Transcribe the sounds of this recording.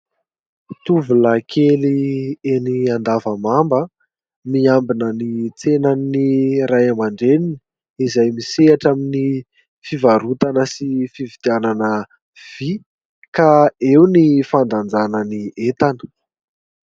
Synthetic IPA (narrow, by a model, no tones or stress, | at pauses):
t̪uvulakʰelieniand̪avəmambə | miambinənit͡senanːirajamaɳɖ͡ʐeninə | izajmiseaʈ͡ʂamini | fivaɾut̪anəsifivit̪iananə | v̥i | kaewnifand̪and͡zanəniet̪anə̥